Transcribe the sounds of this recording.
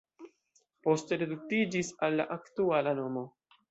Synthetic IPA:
po̞ste̞ɾeduk̚tid͡ʒisalːa̰ʔaktualano̞mo̞

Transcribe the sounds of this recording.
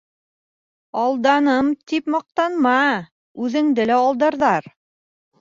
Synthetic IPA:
ɑlˠd̪ɑnɤmt̪ipmɑq̚t̪ɑnmɑ | ʉðɘ̆ŋd̪ɘlæɑlˠd̪ɑɾðɑɾ

